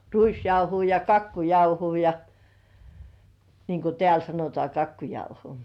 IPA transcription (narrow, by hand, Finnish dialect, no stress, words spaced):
ruisjɑuhuː jɑ kɑkːujɑuhuː jɑ niːŋ ku tĕæˑl sɑnotŏɑˑ kɑkːujɑuho